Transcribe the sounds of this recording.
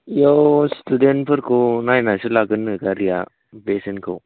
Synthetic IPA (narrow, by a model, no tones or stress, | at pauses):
jostuden̚pʰəɾkonajnasulaɡɯnːɯɡaɾija | besənkʰow